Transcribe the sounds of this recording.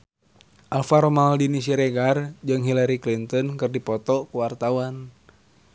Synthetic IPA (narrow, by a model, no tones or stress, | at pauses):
ʔalfaɾɔmaldinis̬iɾɛɡard͡ʒɨŋɦilaɾiklint̪ɔnkɨrdipɔt̪ɔkuwart̪awan